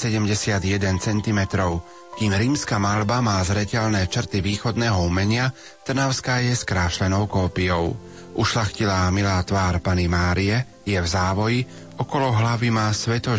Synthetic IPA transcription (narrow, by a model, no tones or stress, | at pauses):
sɛɟɛmɟɛsɪad̪jɛd̪ɛnt͡sɛnt̪imɛt̪ɾɔʊ | kiːmɾiːmskamalbamaːzɾɛcɛʎnɛːt͡ʃr̩t̪iʋiːxɔd̪nɛːɦɔumɛɲɪa | t̪r̩naʊskaːjɛskɾaːʃlɛnɔʊkɔːpijɔʊ | ʔuʃlaxcilaːmilaːt̪ʋaːɾpanimaːɾiɛ | jɛvzaːʋɔji | ɔkɔlɔɦlaʋimaːsʋɛt̪ɔ